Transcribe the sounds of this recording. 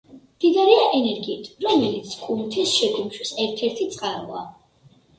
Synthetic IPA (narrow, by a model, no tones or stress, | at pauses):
md̪̥id̪aɾiaʔɛnɛɾɡiːt̪ʰɾɔmɛlit̪sʰkʼunt̪ʰisʃɛɡumʃwisɛɾt̪ʰɛɾt̪ʰit̪sʼqʼaɾa̰